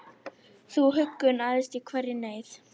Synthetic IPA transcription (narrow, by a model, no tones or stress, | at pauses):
θuɦʏkːʏnaːðɪst̪ikʰvɛrːɪneːjθ